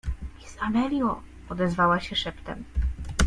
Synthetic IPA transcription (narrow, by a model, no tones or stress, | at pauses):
isamɛlʲjɔ | ɔd̪ɛzvawaɕɛʂɛpt̪ɛm